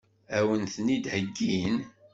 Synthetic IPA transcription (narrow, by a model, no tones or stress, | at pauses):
æwənθənid̪həɡːin